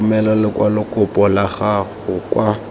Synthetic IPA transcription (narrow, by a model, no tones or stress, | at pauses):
mɛlalɪkʼwalɪkʼʊpʼɔlaχaɣʊkʼwa